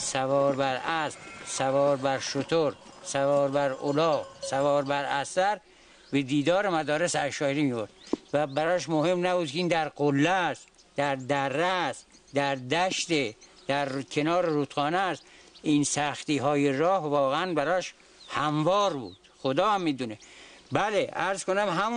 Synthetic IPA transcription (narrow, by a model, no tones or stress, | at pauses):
sævɒːɾbæɾæssævɒːɾbæɾʃot̪ʰoɾsævɒːɾbæɾo̰lɒːɣsævɒːɾbæɾæsæɾ | bed̪iːd̪ɒːɾemæd̪ɒːɾesæʃɒːjeɾimivoɾd̪væbæɾɒːʃmohe̞mnæbuːd̪̚kʰʲeiːnd̪æɾqolːæs | d̪æɾd̪ærːæsd̪æɾd̪æʃt̪ed̪̥æɾkʰenɒːɾeɾut̪xɒːnæst̪iːnsæxt̪iːɦɒːjeɾɒːhvɒːɣeænbæɾɒːʃ | hæmvɒːɾbṵːd̪̥xod̪ɒːhæmːiːd̪unebæleæɾz̥konæmɦæmu